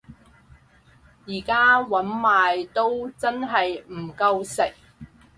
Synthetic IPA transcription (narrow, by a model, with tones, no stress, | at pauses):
jiː˨˩kaː˥wɐ˨˥nmaː˨jt̪o˥wt͡sɐ˥nɦɐ˨jm̩˨˩kɐ˧wsɪ˨˩k̚